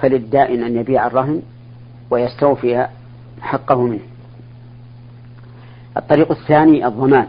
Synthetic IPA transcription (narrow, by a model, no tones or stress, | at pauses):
falɪd̪ːaːʔɪnʔanjabiːʕɑrˤːɑɦɪn | wajast̪awfɪja | ħɑqːɑhʊmɪnh | ʔɑ̰t̪ˤːɑɾiːqaθːaːniʔɨðˤːɑmaːn